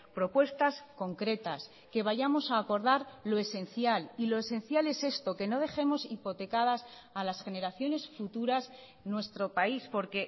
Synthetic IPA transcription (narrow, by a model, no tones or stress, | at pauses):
pɾo̞pwe̞st̪asko̞ŋkɾe̞t̪as | ke̞βaʝamo̞saːko̞ɾðaɾlo̞e̞se̞n̟θjalilo̞esẽ̞nθjale̞se̞st̪o̞ke̞no̞ðe̞xe̞mo̞sipo̞t̪e̞kað̞as | alasxe̞ne̞ɾaθjo̞ne̞sfut̪uɾas | nwe̞st̪ɾo̞paispo̞ɾke̞